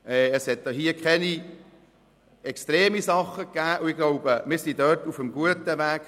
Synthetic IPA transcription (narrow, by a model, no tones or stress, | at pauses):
ɛəshɛt̚doɦiːəkχɛni | ɛkstɾeːmisɑχːəkːæːʔuɪɡ̥lɔʊbəmɪːɾsidœtufəmɡuətəʋæːk